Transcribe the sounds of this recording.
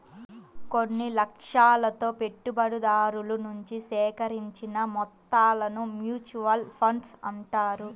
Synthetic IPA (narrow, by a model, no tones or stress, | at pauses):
konːilɐkʂaːlɐt̪o̞ːpe̞ʈːubɐɽud̪aːɾulunuɲt͡ʃisɛːkɐɾiɲt͡ʃinɐmɔt̪ːaːlɐnumjuːt͡ʃuʋɐlpʰɐɳɖsɐɳʈaːɾu